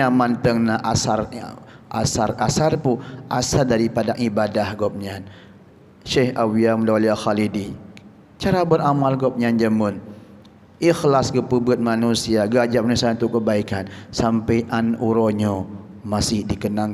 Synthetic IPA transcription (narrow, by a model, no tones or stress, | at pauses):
amant̪əŋnaʔasar̰ʔa̰sarasarpuʔasardaɾipadaʔibadahɡɔp̚ɲan | ʃehawiamdaliaxalidi | t͡ʃaɾabəɾamalɡɔp̚ɲand͡ʒəmən | ʔixlasɡəpəbət̪̚manusiaɡəad͡ʒap̚manusaunt̪ʊʔkːəbaikansampəjʔanuɾoɲomasɪhdikənaŋ